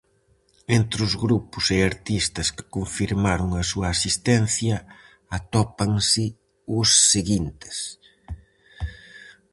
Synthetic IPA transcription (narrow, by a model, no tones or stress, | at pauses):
ent̪ɾʊzɣɾupʊsɪaɾt̪ist̪ɐskɪ̥koɱfiɾmaɾʊŋɐsuɐːsist̪ɛn̟θjɐ | at̪ɔpɐŋsɪ | ʊsːeɣint̪ɪ̥s